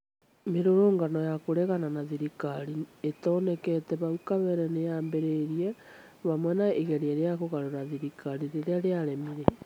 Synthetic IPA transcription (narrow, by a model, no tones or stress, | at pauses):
meɾoɾoːŋɡanɔjakoɾɛɣananaðiɾikaɾietonekɛtɛβaukaβɛɾɛnejaːmbeɾeɾie | βamwɛnaeɣeɾeeɾeaɣoɣaɾoɾaðiɾikʰaɾiɾeɾeaɾeaɾemiɾe